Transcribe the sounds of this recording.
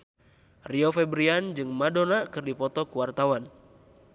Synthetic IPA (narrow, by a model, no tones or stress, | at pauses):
riɔfɛbɾiand͡ʒɨŋmadonakɨrdipɔt̪ɔkuwart̪awan